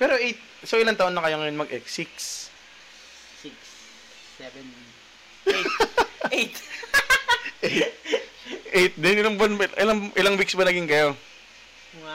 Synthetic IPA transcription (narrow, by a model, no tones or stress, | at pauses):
pɛːɾo̞ʔejt̪̚ | soʔɪlaŋt̪ɐʔonːɐkɐjoŋɐjonmɐɡʔɛksiks | iks | ɛvɛn | ejt̪ | ʔej̪ | ʔejt̪̚d̪ɛnɪlɐŋbɐnʔɪlaŋʔɪlɐŋwik̚sbɐnɐɡɪŋkɐjo̞